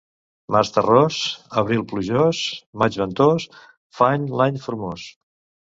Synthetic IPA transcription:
mast̪ərɔsəβɾilˠpluʒosmad͡ʒβənt̪os | faɲlaɲfuɾmos

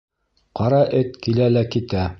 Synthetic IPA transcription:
qɑɾɑʔɘt̪kilælækit̪æ

